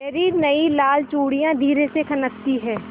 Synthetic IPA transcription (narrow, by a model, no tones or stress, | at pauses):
ɐɾiːɾnɐilaːlt͡ʃoːɽijãd̪ʱiːɾesekʰɐnəkt̪iɦɛ̃ː